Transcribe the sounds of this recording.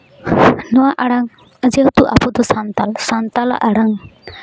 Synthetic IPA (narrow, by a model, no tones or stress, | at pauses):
nɔwaʔaɽaŋ | əd͡ʒiwt̪uʔa̰pʰud̪ɔsant̪alsant̪ala̰ʔaɽaŋ